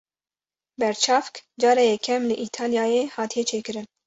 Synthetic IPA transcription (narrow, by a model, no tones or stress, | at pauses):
bɛɾt͡ʃʰɑːfkd͡ʒɑːɾɛjɛkʰːɛmlɨʔiːt̪ʰɑːlijɑːjeːhɑːt̪ʰijɛt͡ʃʰeːkɨɾɨn